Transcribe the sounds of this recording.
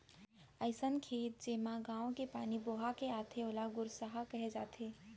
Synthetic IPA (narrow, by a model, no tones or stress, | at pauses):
əɪsənkʰeːt̪̚d͡ʒeːmãɡãːõkepaːniboːɦakeaːt̪ʰeoːlaɡʊɾsaɦakəɦed͡ʒaːt̪ʰeː